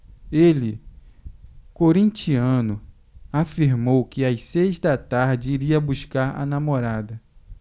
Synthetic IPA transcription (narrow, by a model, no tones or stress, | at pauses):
elɪ | koɾĩnt͡ʃiɐ̃nʊ | afiɾmowkɪajsejzd̪ɐt̪aɾd͡ʒɪiɾiɐbuʃkaɾa̰namoɾad̪ɐ